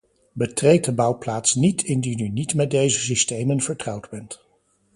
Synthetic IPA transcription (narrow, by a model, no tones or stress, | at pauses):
bətrejt̚dəbʌwplaːtsnitʰɪndinynitmɛt̚dejzəsistejmənvəɹtrɑwdbɛnt